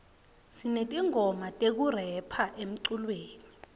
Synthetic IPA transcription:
sinetʼiŋʱɔmatʼek̬urɛpʰaʔem̩ǀulweːni

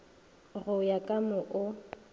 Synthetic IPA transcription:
ɣʊjakʼamʊʔʊ

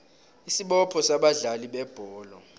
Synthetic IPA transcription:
isiɓɔpʰɔsaɓaɮaliɓɛb̥ʱɔːlɔ

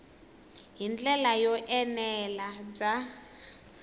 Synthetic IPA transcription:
ɦind͡ɮɛlajɔʔɛnɛlab͡ʐa

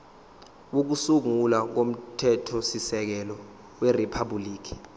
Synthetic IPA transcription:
wok̬usuŋulak̬om̩tʰɛtʰɔsisɛk̬ɛlɔ | wɛripʰabuliːk̬i̥

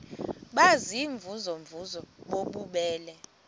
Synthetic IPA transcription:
ɓaziɱvuzɔɱvʱuzɔɓoɓuɓɛːlɛ

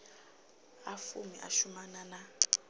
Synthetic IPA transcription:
afṵmiʔa̰ʃumanana

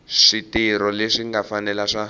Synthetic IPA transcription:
ʂitiɾɔleʂiŋɡafanɛlaʂa

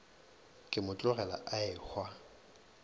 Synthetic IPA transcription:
kʼɪmʊt͡ɬʼʊrɛla̰ʔaɪk͡xʰwa

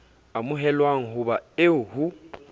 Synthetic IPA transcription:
amʊɦɛlwaŋ̩ɦuβaeuhu

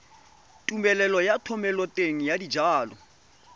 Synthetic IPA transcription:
tʼumɛlɛlɔjatʰɔmɛlɔtʼeŋ̩jadid͡ʒaːlɔ

